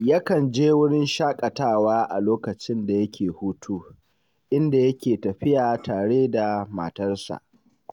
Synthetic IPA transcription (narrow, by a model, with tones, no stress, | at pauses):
ja˦kɐ˨nd͡ʒeː˦wʊ˦ɽɪ˦nʃaː˦kʼɐ˨taː˦˨waː˦ʔa˨loː˦kɐ˨t͡ʃɪ˦nda˨jɐ˦kʲʰeː˨huː˦tʰuː˦ | ʔɪ˦nda˨jɐ˦kʲeː˨tɐ˨ɸɪ˦jaː˨tʰaː˨ɽeː˦da˨ma̰˨tɐ˦rsa̰˨ʔ